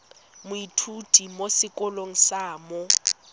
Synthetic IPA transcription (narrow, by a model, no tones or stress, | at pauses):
mʊitʰudʱʼimosɪkʼɔloŋ̩saːmɔ